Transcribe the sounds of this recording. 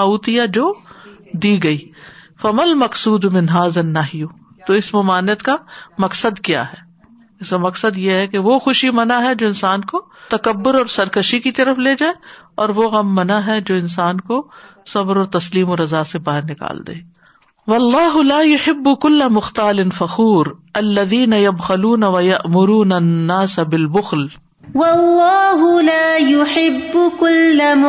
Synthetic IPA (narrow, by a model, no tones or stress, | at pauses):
auːt̪ijad͡ʒoːd̪iːɡɐiː | fɐmɐlmɐqsuːd̪mɪ̃nɦaːzɐnːɐɦju | t̪oɪsmɐmaːnijət̪kamɐksəd̪kja̰ːɦɛː | ɪsamɐksəd̪jeɦɛkeʋoxʊʃimɐnaɦɛd͡ʒoːɪnsaːnko | t̪ɐkɐbːʊɾɔːɾsɐɾkɐʃikit̪ɐɾəfleːd͡ʒaːeɔːɾʋoɣɐmːɐnaɦɛd͡ʒoːɪns̬aːnkosɐbɾɔːɾt̪ɐsliːmɔːɾɐzaːsebaːɦɪɾnɪka̰ːld̪ḛː | wɐlːaːɦʊlaːjʊħɪbːʊkʊlːɐmʊxt̪aːlɪnfɐxuːɾɐlːɐðiːnɐjɐbxɐluːnɐʋɐjɐʔmʊɾuːnɐnːaːsɐbɪlbʊxl | wɐlːaːɦʊlaːjʊħɪbːʊkʊlːm